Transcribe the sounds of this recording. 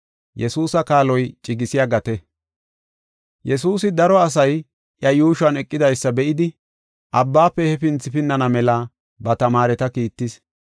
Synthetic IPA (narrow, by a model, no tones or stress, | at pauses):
jɛsuːsɐkaːlɔjt͡ʃʼɪɡɪsɪjaːɡɐt̪ɛ | jɛsuːsɪd̪ɐɾɔɐs̬ɐj | ʔjɐjuːʃɐnɛkʼːɪd̪ɐjsːɐbɛʔɪd̪ɪ | ʔɐbːaːpːɛhɛfɪnt͡sːɪpɪnːɐnɐmɛla | bɐt̪ɐmaːɾɛt̪ɐkiːt̪ːɪs